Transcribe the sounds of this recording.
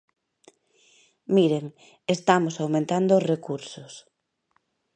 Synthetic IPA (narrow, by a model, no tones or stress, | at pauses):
miɾeŋ | est̪amosawmẽnt̪and̪oːsrekuɾsʊs